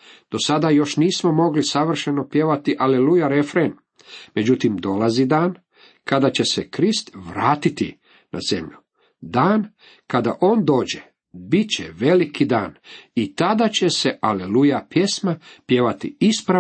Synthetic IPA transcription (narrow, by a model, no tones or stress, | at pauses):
d̪̥o̞sad̪ajo̞ʃniːsmo̞mo̞ɡlisaʋr̩ʃe̞no̞pje̞ʋat̪iʔalelujaɾe̞fɾen | me̞d͡ʑut̪imd̪o̞lazid̪aːn | kad̪at͡ɕe̞sekɾist̪ʋɾaːt̪it̪ḭ | na̰ze̞̰mʎu | d̪aːn | kad̪a̰ʔo̞ːnd̪o̞ːd͡ʑe | bit͡ɕeʋe̞likʰid̪a̰ːnit̪ad̪at͡ɕe̞se̞ʔalelujapje̞smapje̞ʋat̪ḭispɾa